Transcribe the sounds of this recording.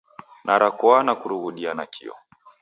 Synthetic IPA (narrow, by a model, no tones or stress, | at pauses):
nʔaɾakɔanakuɾuɣuɗianakʰḭɔ̰